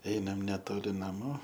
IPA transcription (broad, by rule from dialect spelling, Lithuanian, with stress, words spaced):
ˈɛɪnɐm nʲɛˈtoːlʲɪ nɐˈmuː